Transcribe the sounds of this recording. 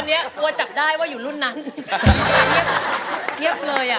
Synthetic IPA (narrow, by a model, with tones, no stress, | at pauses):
nːi˦˥ɐt̪u˧ɐt͡ɕa˨˩p̚daː˥˩jwaː˥˩juː˨˩lu˥˩nːa˦˥n˧ | ŋi˦˥˩əp̚ŋi˦˥˩əp̚lɤː˧jʔa˨˩